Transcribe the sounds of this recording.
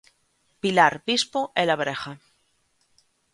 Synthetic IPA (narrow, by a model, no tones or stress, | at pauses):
pilaɾbispoʔelaβɾexa